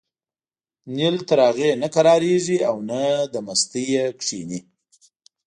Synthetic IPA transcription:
nilt̪aɾɑɣenakaɾɑɾeʐiawnad̪əmast̪ijekʂini

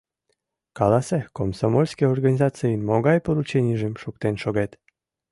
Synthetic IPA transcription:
kɑlɑsekomsomolʲskeorɡanʲizɑt͡sɨjnmoɣɑjpoɾut͡ɕenʲiʒemʃukt̪enʃoɣet̪

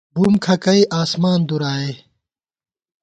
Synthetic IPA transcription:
bumkʰɐkɐiʔaːsmaːnd̪uɾaːe

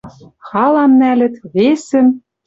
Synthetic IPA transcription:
xɑlˠɑmnælʲɘ̆t̪βesɘ̆m

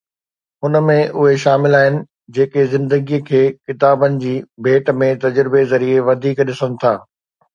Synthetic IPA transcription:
ɦʊnəmẽʔʊɦeʃaːmɪlaːɦɪnɪ̆ | d͡ʑeːkezɪ̃nd̪əɡiːkʰeːkɪt̪aːbənɪ̆d͡ʑiːbʱeːʈmẽt̪ɐd͡ʑɾɪbezɐɾieʋɐd̪ʱiːkɗɪsənɪ̆t̪ʰaː

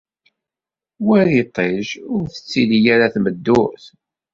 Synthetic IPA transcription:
wæɾit̪ˤːeʒʊɾθə̥t͡sːilijaɾaθməd̪ːʊθ

